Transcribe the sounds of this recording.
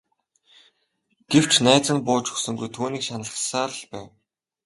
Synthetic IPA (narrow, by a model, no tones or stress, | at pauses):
ɡ̥ew̥t͡ɕʰnæːt͡sə̆npʊːt͡ɕɵ̥xsɵ̆ŋɡujt̪ʰuːniːkʃanə̆ɮχsaːɮpæ̰ːw